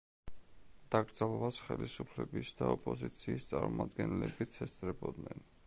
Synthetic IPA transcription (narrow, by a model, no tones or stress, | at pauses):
d̪̥aɡɾd̪zalˠvasχɛlisupʰlɛbisd̪aɔpʼɔzit̪sʰiːst̪sʼaɾmumad̪ɡɛnɛlɛbit̪sʰɛst̪sʼɾɛbɔd̪nɛn